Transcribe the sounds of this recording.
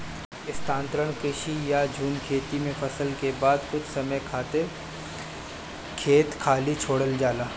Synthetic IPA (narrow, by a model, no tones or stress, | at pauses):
ɪst̪ãːnt̪ɾəɽ̃kɾɪʃijad͡ʒʱuːmkʰeːt̪imẽfʰɐsəlkebaːd̪kʊt͡ʃʰsɐməjkʰaːt̪e | kʰeːt̪kʰaːlit͡ʃʰoːɽəld͡ʒaːlaː